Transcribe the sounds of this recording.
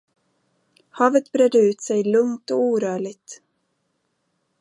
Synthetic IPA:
hɑːvət̪bɾɛd̪ːəʉ̟ːt̪sɛjlɵŋt̪ɔuːɾœːɭɪt̪

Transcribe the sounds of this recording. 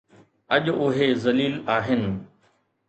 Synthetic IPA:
ɐʄʊɦezɐliːlaːɦɪnɪ̆

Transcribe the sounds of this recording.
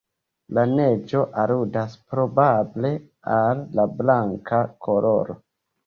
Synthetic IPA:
lane̞d͡ʒo̞ʔaludaspɾo̞bable̞ | alːablaŋkʰakʰo̞lo̞ɾo̞̰

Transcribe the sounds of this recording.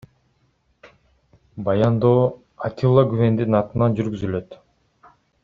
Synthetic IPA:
bɑjɑnd̪oː | at̪ʲilˠːaɡyβe̞nd̪inɑt̪ɯnɑnd͡ʒyɾɡyzylø̞t̪

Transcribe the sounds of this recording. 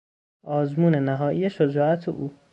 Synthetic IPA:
ʔɒːzmuːnenæɦɒːʔijeʃod͡ʒɒːʔæt̪ʰeʔuː

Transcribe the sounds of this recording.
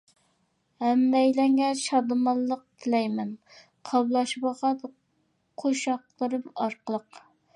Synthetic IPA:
hɛmːɛjlɛŋʲɛʃɑd̪ɨmɑnlˠəq̚t̪ʰɪlɛjmɛn | qʰɑblˠɑʃbɑʁɑd̪ | qʰoʃɑqlˠəɾɨmɑɾqəlˠəq

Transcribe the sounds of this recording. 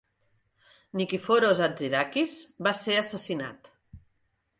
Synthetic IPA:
nikifoɾozaziðakizbaseəsəsina̰t̪

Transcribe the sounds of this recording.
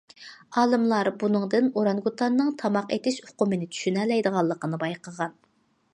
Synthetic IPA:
ɑːlˠɨmlˠɑɾbunɨŋd̪ɨnoɾɑnɡut̪ʰɑnːɨŋt̪ʰɑmɑqḛt̪ɪʃʊ̥qʊmɨnɪt͡ʃ̪ʰy̥ʃynɛlːɛjd̪əʁɑlˠːəqənɨbɑjqəʁɑn

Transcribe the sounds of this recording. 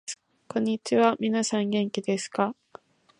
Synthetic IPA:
kõ̞ɲ̟ːit͡ɕiβamʲinasãŋɡẽ̞ŋkʲid̪e̞sɨ̥ka

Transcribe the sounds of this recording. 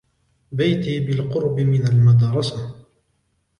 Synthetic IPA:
bajt̪iːbɪlqʊɾbɪmɪnalmad̪ɑːɾˤɑsa

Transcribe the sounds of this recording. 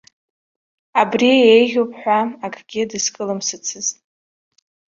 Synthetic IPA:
abriejʒʲopʰʼħʷᶣaakʼʰɡ̥ʲɪdɨskʼɨlɨmsɨt͡sʰɨztʼ

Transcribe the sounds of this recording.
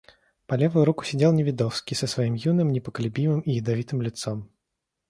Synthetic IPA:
pɐlʲevʊjʊɾukʊ̥sʲɪdʲelˠnʲɪvʲɪd̪ɔfskʲisəsvɐimjunɨmnʲɪpəkəlʲʊbʲimɨmijɪd̪ɐvʲit̪ɨmlʲɪt̪sɔm

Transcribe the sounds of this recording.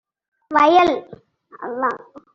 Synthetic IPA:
ʋɐjɐl | ɐ̰lːa

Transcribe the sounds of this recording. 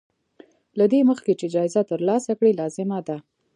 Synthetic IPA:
lad̪eməxket͡ʃed͡ʒɑɪzat̪əɾlɑsakɽilɑzɪmad̪a

